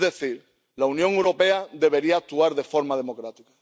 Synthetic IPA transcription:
ðe̞θiɾ | launjõŋewɾo̞pe̞ad̪e̞β̞e̞ɾiaːk̚t̪uaɾðe̞fo̞ɾmað̞e̞mo̞kɾat̪ika

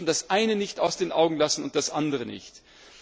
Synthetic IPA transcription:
n̩d̥asʔaɪnənɪçtaʊsd̥eːnʔaʊɡŋ̩lasn̩ʊnt̚d̥asʔandəʁənɪ̰çt

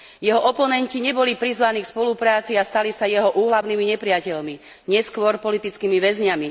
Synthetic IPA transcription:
jɛɦɔʔɔpɔnɛnciɲɛbɔlipɾizʋaniːkspɔlupɾaːt͡siast̪alisajɛɦɔʔuːɦlaʊniːmiɲɛpɾɪacɛʎmi | ɲɛskʋɔɾpɔlit̪it͡skiːmiʋɛzɲami

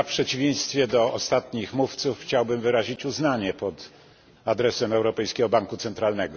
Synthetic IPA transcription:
apʂɛt͡ɕivʲjej̃st̪fʲjɛd̪ɔɔst̪at̪ɲixmuft̪sufxt͡ɕawbɘmvɘɾaʑit͡ɕuznaɲɛpɔt̪ | ad̪ɾɛsɛmɛwɾɔpɛjskʲɛɡɔbaŋkut̪sɛnt̪ɾalnɛɡɔ

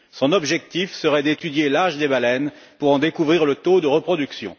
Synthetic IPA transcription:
sɔ̃nɔbʒɛk̚t̪ifsəʁɛd̪et̪yd̪jelaʒd̪ebalɛnpuʁɑ̃d̪ekuvʁiʁlət̪od̪əʁəpχɔd̪yksjɔ̰̃

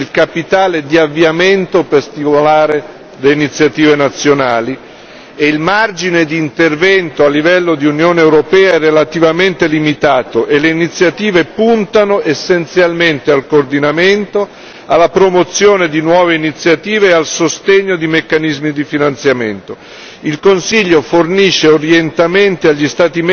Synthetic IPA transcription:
ilkapit̪aːled̪iavːiament̪operst̪imolaːɾe | leinit̪sːjat̪iːvenat̪sːjonaːli | eilmard͡ʒined̪iːnt̪ervɛnt̪oalːivɛlːod̪iunjoːneːwɾopɛːaɛrːelat̪ivament̪elimit̪aːt̪oʔelːeinit̪sːjat̪iːvepunt̪anoʔesːent̪sjalment̪ealkoːrd̪inament̪o | alːapɾomot̪sːjoːned̪inwɔːveinit̪sjat̪iːveːalsost̪eɲːod̪imekːanizmid̪ifinant̪sjament̪o | ilkonsiʎːoforniʃːeoɾjent̪ament̪eaʎːist̪aːt̪im

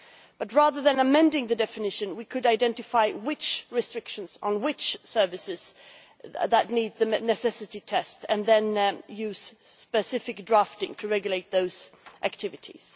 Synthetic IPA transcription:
b̥ʌt̚ɹæðə˞ðɨ̃nəmɛ̃ndɪ̃ŋðɨdɛfɨnɪʃɨ̃nwikʰɨɾaɪdɛ̃ntɨfaɪwɪt͡ʃɹɨstɹ̥ɪkʃə̃n̩z̥n̩wɪt͡ʃsɜ˞vɨsɪz̥ | ðətⁿnid̪̚ðɨnɨsɛsɨɾitʰɛstɨ̃nðɨ̃njʉz̥ | spɨsɪfɨk̚dɹæftɪ̰̃ŋtʰɨɹɛɡjɨleɪt̪̚ðoʊz̥ʔæ̰k̚tʰɪvɨɾʰḭz̥

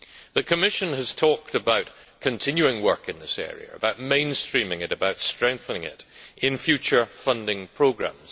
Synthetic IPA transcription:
ðɨkʰɨmɪʃə̃nɨz̥tʰɔk̚təbaʊt | kʰɨ̃ntʰɪ̃njʉɪ̃ŋwɜ˞kɨ̃nðɪsɛ̰ɹḭə̰ə̰baʊt̚mẽɪ̃nstɹ̥ĩmɪ̃ŋɨɾɨbaʊtstɹ̥ɛ̃ŋk̚θə̃nɪ̃ŋɪ̰tʔɪ̃nfjʉt͡ʃə˞fʌ̃ndɪ̃ŋpʰɹ̥oɡɹã̰mz̥

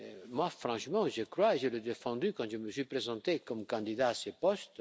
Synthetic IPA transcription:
emwafɾɑ̃ʃmɑ̃ʒəkɾwaeʒeləd̪efɑ̃d̪ykɑ̃ʒəməsɥipɾezɑ̃t̪ekɔmkɑ̃d̪id̪aːsepɔst̪

